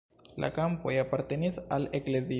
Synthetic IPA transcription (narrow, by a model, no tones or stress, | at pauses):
la̰kampo̞japaɾte̞nisalekle̞zi